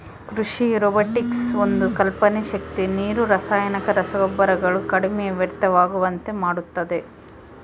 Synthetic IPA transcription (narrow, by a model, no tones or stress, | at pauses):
kɾuʃiɾoːbɐʈiksond̪ukɐlpɐneʃɐk̚t̪iniːɾuɾɐsaːjɐnɐkɐɾɐsɐɡɔbːɐɾɐɡɐɭukɐɽimejɐʋɐɾt̪ːɐʋaːɡuʋɐnt̪e̞maːɽut̪ːɐd̪e̞